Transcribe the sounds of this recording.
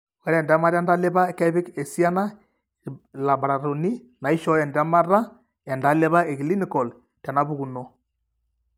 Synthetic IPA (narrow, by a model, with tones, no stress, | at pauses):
ɔ˦ɾɛ˨nda˦ma˦ɾa˦nda˦le˦βa˦ka˦βi˦ke˨sia˦na˦ | la˨bɾa˨ɾo˨ni˦ | na˨i˦ʃɔ˦jɛ˨nda˦ma˦ɾa˦ | ɛ˨nda˨˦le˦βa˦e˨ɣi˨li˦ni˨kɔ˨l | ta˨na˨˦βu˦ɣu˨nɔ˨